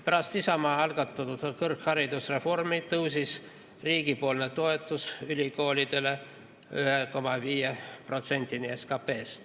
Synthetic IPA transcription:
pæɾɑst̪isɑmɑːɑlɡ̥ɑt̪ːˑɑt̪ud̪kɤrkhɑɾid̪usre̞fo̞rmit̪ɤwsis | riːɡipo̞lnet̪o̞e̞t̪ːˑusylʲiko̞ːlʲid̪̥e̞le̞ | yɦeko̞mɑviːjepro̞t̪se̞nʲt̪inie̞skɑpe̞ːs

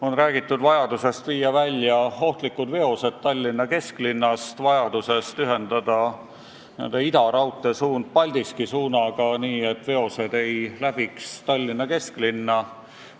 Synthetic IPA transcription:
o̞nræːɡ̥it̪ːˑud̪vɑjɑd̪use̞st̪viːjːɑvælʲːjɑo̞ht̪likːˑud̪̥ve̞o̞se̞d̪̥̚t̪ɑlʲːinːɑke̞sklinːɑst̪vɑjɑd̪̥use̞st̪yɦe̞nd̪̥ɑd̪̥ɑ | niḛnd̪eid̪ɑɾɑwt̪ːˑe̞suːnd̪̥̚pɑlʲd̪̥iskisuːnɑɡ̥ɑniːe̞t̪ːˑve̞o̞se̞d̪̥e̞jlæb̥ikst̪ɑlʲːinːɑke̞sklinːɑ

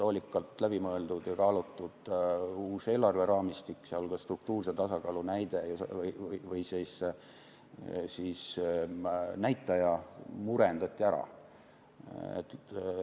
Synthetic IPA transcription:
t̪oːlʲikːˑɑlt̪læb̥imɤe̞ld̪̥ud̪̥jɑkɑːlut̪ːˑud̪̥uːse̞ːlːɑrve̞ɾɑːmist̪ikːseolkɑst̪ruk̚t̪uːrset̪ɑsɑkɑːlunæjd̪̥ejosjvɤjsese | siːs | næjt̪ːˑɑjɑmuɾe̞nd̪̥ɑt̪ʲːˑiæɾɑ̰ | ḛt̪ː

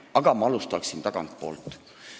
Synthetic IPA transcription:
ɑɡ̥ɑmɑɑlust̪ɑksint̪ɑɡ̥ɑ̰nt̪̚po̞̰ːlt̪ːˑ

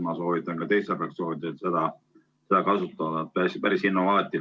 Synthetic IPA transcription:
mɑso̞ːvit̪ːˑɑnkɑt̪e̞jsepeɑksoːvid̪̥et̪se̞d̪ɑ | se̞d̪ɑkɑsut̪ːˑɑd̪ɑt̪̚pæspæɾisinːovɑlɑt̪ːˑi

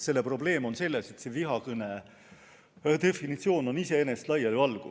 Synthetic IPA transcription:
se̞lːepro̞ble̞ːmo̞nse̞lːese̞t̪se̞viɦɑkɤne | t̪e̞finit̪sio̞ːno̞nise̞enest̪lɑjɑlɑlɡ̥ṵ

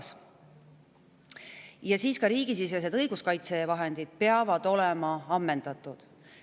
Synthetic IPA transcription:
s | jɑsiːskɑɾiːɡ̥is̬ises̬e̞d̪ɤjɡ̥uskɑjt̪se̞vɑɦe̞nd̪̥id̪̥̚pe̞ɑvɑd̪̥o̞lɛmɑɑmːe̞nd̪̥ɑt̪ːˑud̪̥

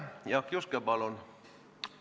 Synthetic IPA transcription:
jɑkjuskebɑlon

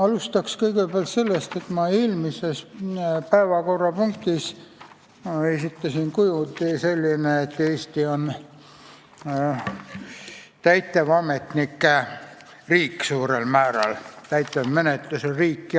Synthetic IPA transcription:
ɑlust̪ɑkskɤjɡepeæɑlt̪se̞lːest̪e̞t̪mɑilmisespæevɑko̞rːɑpuŋk̚t̪is | esit̪ːɑsinkujut̪iselʲːineːt̪ːeːst̪ion | t̪æjt̪ːˑevɑmet̪nikː | riːkːsuːɾelmæːɾɑ̰lt̪æjt̪ːˑevmenet̪lusoriːkːi

